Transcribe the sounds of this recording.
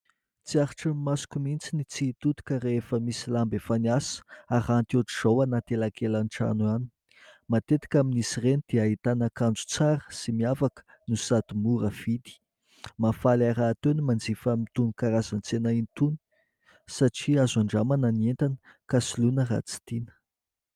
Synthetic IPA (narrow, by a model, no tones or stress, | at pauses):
t͡siaɾiʈ͡ʂəmasu̥kumint͡sinit͡siːt̪ut̪u̥kəɾefəmisilambefanasə̥aɾant̪ioʈ͡ʂiz̥owanat̪elakelanʈ͡ʂa̰nuani̥ | mat̪et̪i̥kʲaminisirenid̪̥iaɦit̪anakand͡zu̥t͡saɾəsimiavakə̥ | nusat̪imuɾəv̥id̪i̥ | mafalaɾaːt̪enimand͡zifəmit̪unikaɾazant͡senaint̪uni̥ | saʈ͡ʂiazaɳɖ͡ʐamanənient̪anə | kasilunəra̰t͡si̥t̪inə̥